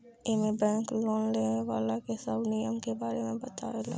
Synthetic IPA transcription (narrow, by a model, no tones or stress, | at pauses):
emebɛ̃ːŋkloːnleːneʋaːlakesəbnijəmkebaːɾemẽbɐt̪aʋela̰